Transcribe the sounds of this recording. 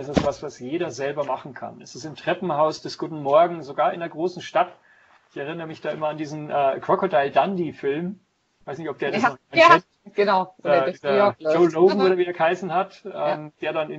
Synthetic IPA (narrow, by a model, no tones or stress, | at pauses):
ʔɛsd̥asv̥asv̥asjeːɾɐzɛlbɐmaχn̩kʰa̰nɛstɪsɪmtʁ̥ɛpm̩haʊsd̥ɛsɡ̥uːtn̩mɔɐɡŋ̩zoɡaːɐɪ̰ndeɐɡʁoːsn̩ʃtat | ʔɪçɛʁɪnəʁəmɪçd̥aːʔɪmɐandiːzn̩ʔɛːkʁ̥okodaɪldandifɪlm | v̥aɪsnɪçtɔpd̥eːɐasnɔ | ɡ̥ənaʊ | d͡ʒoʊloʊɡn̩ʔoːɾɐviːdɛɐkhaɪsn̩hatʔɛmd̥eːɐdanɪn